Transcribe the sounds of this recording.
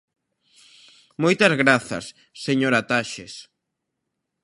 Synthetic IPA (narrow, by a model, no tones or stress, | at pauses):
mojt̪ɐzɣɾaθɐ̰sː | eɲoɾat̪aʃes